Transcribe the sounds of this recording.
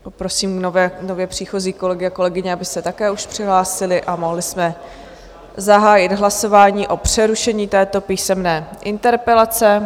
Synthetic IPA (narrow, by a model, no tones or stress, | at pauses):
opɾo̞siːmovɛːnovjɛpr̝̥iːxo̞ziːko̞lɛɡɪako̞lɛɡɪɲɛabɪsɛt̪akɛːuʃpr̥ɪɦlaːsɪlɪʔamo̞ɦlɪsmɛ | zaɦaːjɪd̪ɦlaso̞vaːɲiːʔo̞pr̝̥ɛɾuʃɛɲiːt̪ɛːt̪o̞piːsɛmnɛːʔɪnt̪ɛɾpɛlat͡sɛ